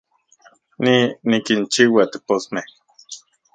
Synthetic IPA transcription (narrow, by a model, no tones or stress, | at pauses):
ninikint͡ʃiwat̪eposmeh